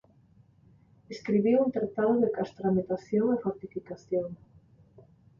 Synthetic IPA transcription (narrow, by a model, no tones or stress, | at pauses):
eskɾiβiwunt̪ɾat̪aðoðekast̪ɾamit̪aθjoŋefoɾt̪ifikaθjoŋ